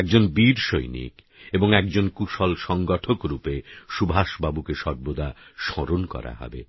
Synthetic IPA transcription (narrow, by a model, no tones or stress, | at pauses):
ɛk̚d͡ʑonbiɾʃojnḭk | eboŋɛkd͡ʑonkuʃɔlʃɔŋɡɔʈʰokɾupeʃubʱaʃbabukeʃɔɾbod̪ʱaʃɔɾonkɔ̰ɾa̰ɦɔ̰bḛ